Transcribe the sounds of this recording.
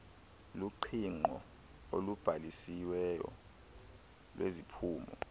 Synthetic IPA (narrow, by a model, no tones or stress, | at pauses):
luǃʰiŋ͡ǃʱɔ | olub̥ʱalisiwɛjɔ̰ | lwezipʰuːmɔ